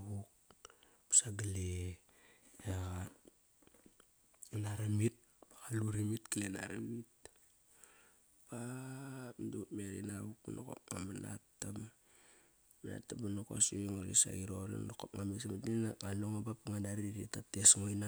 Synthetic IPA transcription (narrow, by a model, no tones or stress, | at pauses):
βuk̚ | psaɡale | aa | inaɾamit̚ | paaluɾimitkilena̰ɾamit̚ | pa | pdutmeɾḭnaβukuno̰ko̰p̚ŋa̰mana̰tːam | mana̰tːamanoko̰siŋolḭsa̰iɾolo̰ndokopŋamisamitlinaŋaloŋobapaŋadaɾiɾitatesŋojna